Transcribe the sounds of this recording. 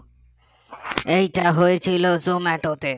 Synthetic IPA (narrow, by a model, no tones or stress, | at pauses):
ejʈaɦoet͡ɕʰilozomɛʈot̪e